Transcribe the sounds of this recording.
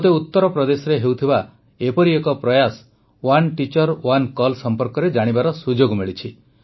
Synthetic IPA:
t̪eut̪ːɔɾɔpɾɔd̪esɔɾeɦewt̪ʰiba | epɔɾiekɔpɾɔjas | wanʈit͡ʃɔɾwankɔlsɔmpɔɾkɔɾed͡ʒaɽ̃ibaɾɔsud͡ʒoɡmiɭit͡ʃʰi

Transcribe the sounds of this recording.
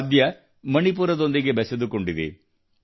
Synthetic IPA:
d̪jɐ | mɐnipuːɾɐd̪o̞nd̪iɡe̞bɛsed̪ukoɳɖid̪ḭ

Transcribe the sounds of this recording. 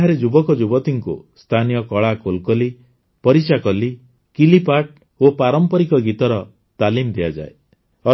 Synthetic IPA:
ɦaɾed͡ʒubɔkɔd͡ʒubɔt̪iŋkṵst̪ʰanijɔkɔɭakolkɔli | pɔɾit͡ʃakɔli | kilipaʈ | opaɾɔmpɔɾikɔɡit̪ɔɾɔ | t̪alimd̪ʱiad͡ʒa̰e | ɔ

